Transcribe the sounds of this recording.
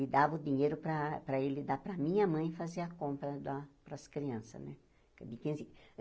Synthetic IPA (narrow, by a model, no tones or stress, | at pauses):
lɪd̪avɐʊd̪iɲejɾʊpɾɐpɾɐelɪd̪apɾɐmĩɲɐmɐ̃j̃faziɐkõmpɾɐd̪ɐpɾɐskɾiɐ̃sɐ̰nɛ | kd̪ɪkẽs